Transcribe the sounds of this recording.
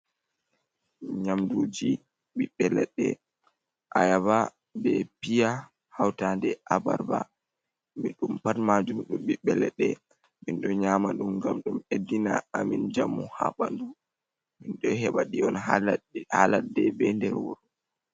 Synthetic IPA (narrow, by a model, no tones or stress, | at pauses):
ɲamdud͡ʒi | ɓiɓːɛlɛɗɛ | ʔajaba | bɛpija | hawtandɛʔaba̰ɾba̰ | miɗumpatmad͡ʒumɗumɓiɓːɛlɛɗɛ | minɗɔɲamaɗumŋɡamɗumedːinaamind͡ʒamːuha̰ɓandu | minɗɔɦɛɓaɗiɔn | haladɛbɛndɛɾwɔ̰ɾ